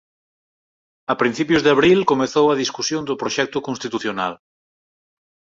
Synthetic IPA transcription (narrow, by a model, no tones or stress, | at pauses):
ɐpɾin̟θipjʊzðeaβɾilkomeθowɐðiskusjond̪ʊpɾoʃɛk̚t̪ʊkonst̪it̪uθjona̰l